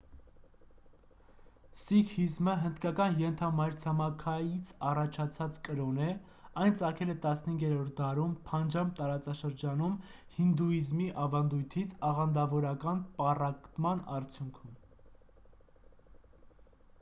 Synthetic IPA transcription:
sikʰizməɦənd̪kɑkɑnjɛnt̪ʰɑmɑjɾt͡sʰɑmɑkʰɑjit͡sʰɑrɑt͡ʃʰɑt͡sʰɑt͡skəɾɔnɛ | ɑjnt͡sɑkʰɛlɛt̪ɑsnəhiŋɡɛɾɔɾt̪̚ʰd̪ɑɾumpʰɑnd͡ʒɑmt̪ɑɾɑt͡sɑʃəɾd͡ʒɑnum | hind̪uizmiʔɑvɑnd̪ujt̪ʰit͡sʰɑʁɑnd̪ɑvɔɾɑkɑnpɑrɑkt̪mɑnɑɾt͡sʰjuŋkʰum

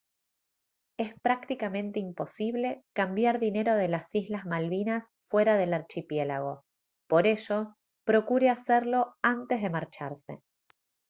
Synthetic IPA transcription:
e̞spɾak̚t̪ikamẽ̞nt̪eimpo̞siβle̞kambjaɾðine̞ɾo̞ð̞e̞lasizlazmalβinas | fwe̞ɾaðe̞laɾt͡ʃipje̞laɣ̞o̞ | po̞ɾe̞ʃo̞ | pɾo̞kuɾeaseɾlo̞ant̪e̞zðe̞maɾt͡ʃa̰ɾse̞̰

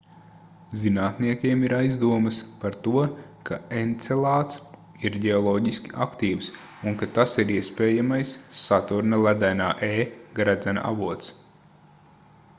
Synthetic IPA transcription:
zinaːt̪niɛkʲiɛmiɾajzd̪uɔmɨspaɾt̪uɔkʰaent̪sɛlˠaːt̪s | iɾɟɛɔlˠɔːɟiskʲiʔakt̪iːws | unkat̪asiɾiɛspʲɛːjamajsːat̪uɾnɐlˠæd̪æjnaːʔeːɡɾæd̪zɛna̰a̰vuɔt̪s

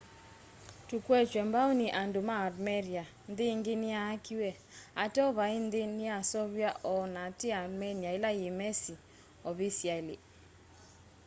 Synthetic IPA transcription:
tukwɛt͡ʃwɛmbaoniʔandʊmaːdmɛɾja | nd̪ɪŋɡɪnɪaakiwɛ | atɔβaind̪ɪnɪasɔβjaʔɔnatɪadmɛnaɪlajɪmɛsi | ɔβisialḭ

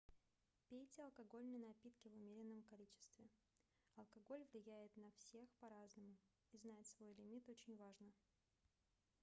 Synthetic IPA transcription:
pʲetʲɪɐlˠkɐɡo̞lʲnəjnɐpʲit̪kʲɪvʊmʲeɾʲɪnːəmkɐlʲit͡ɕɪ̥st̪vʲɪ | ɐlˠkɐɡo̞lʲvlʲɪjæjɪt̪nɐfsʲe̞xpɐɾaznəmʊ | iznatʲsvo̞jlʲɪmʲit̪o̞t͡ɕɪnʲvaʐnə

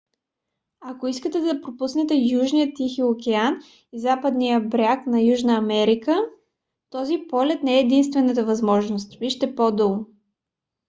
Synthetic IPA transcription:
ɐkoiskət̪ɛd̪ɐpɾopusnɛt̪ɛjuʒnijət̪ːixiokʲɛan | izapəd̪nijəbɾʲaknɐjuʒnəɐmɛɾikə | t̪ɔzipɔlʲɛt̪nɛɛːd̪inst̪vɛnət̪̬əvɐzmɔʒnost̪viʃt̪ɛpod̪olˠo

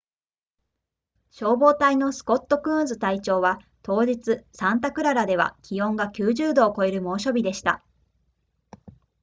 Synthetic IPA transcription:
ɕo̞ːbo̞ːt̪aino̞sɨ̥ko̞t̪ːo̞kɯ̟̃ːnzɨt̪ait͡ɕo̞ːβa | t̪o̞ːd͡ʑit͡sɨsãnt̪̬akɯ̟ɾaɾad̪e̞βa̰kʲijõ̞ŋɡakʲɨːʑɨːd̪o̞ːko̞e̞ɾɯ̟mo̞ːɕo̞bʲid̪e̞ɕi̥t̪a̰

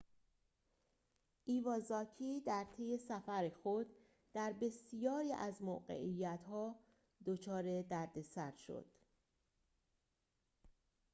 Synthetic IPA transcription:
ʔiːvɒːzɒːcʰiːd̪æɾt̪ʰe̞je̞sæfæɾexo̞d̪ | d̪̥æɾbe̞sijɒːɾiːʔæzmo̰ːɢḛʔijːæt̪ʰhɒː | d̪ot͡ʃʰɒːɾe̞d̪æɾd̪e̞sæɾʃo̞̰d̪̥

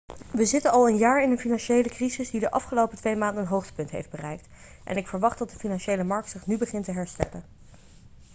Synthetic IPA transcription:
ʋəzɪtənɑlˠənjaːɹɪnənfinɑnʃejləkrizɪsdidəʔɑ̰fχəlowpətʋejmaːndənɦowχtə̥pɵntɦḛjfd̚bərɛjk̚t | ʔɛ̰nɪkfəɹʋɑχt̚dɑt̚dəfinɑnʃejləmɑɹk̚tsɪχnybəχɪntəɦɛɹstɛ̰lə̰n

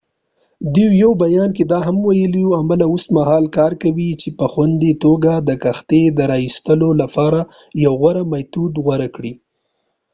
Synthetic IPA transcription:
d̪iwjawbajɑnk̬ed̪ɑɦamwajəliuamalaosmahɑlkɑɾkawit͡ʃepəxwand̪it̪oɡad̪əkaxt̪ed̪əɾɑist̪əlolapɑɾa | jawɣwaɾamajt̪ud̪ɣwaɾakɽi

